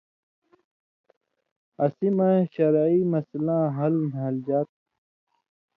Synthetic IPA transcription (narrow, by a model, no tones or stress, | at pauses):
ɐsimãɕɐɾiːmɐslãːɦɐlmɐld͡ʑaːt̪̚